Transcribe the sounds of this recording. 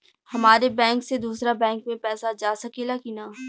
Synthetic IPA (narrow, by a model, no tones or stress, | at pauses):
hɐmaːɾebɛ̃ːŋksed̪uːsɾabɛ̃ːŋkmẽpɛːsad͡ʒaːsɐkelakinaː